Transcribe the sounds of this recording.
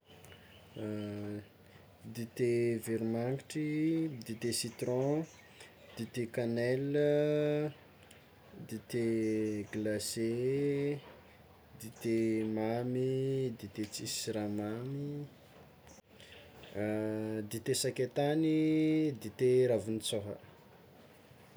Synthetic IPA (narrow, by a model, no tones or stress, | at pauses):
d̪it̪eviɾmaŋiʈ͡ʂid̪it̪esit̪ɾɔ̃ | d̪̥it̪ekanɛlə | d̪it̪eɡlase | d̪it̪emamid̪it̪et͡sisiɾamami | d̪it̪esakʲet̪anid̪it̪eɾavinit͡soɦə̰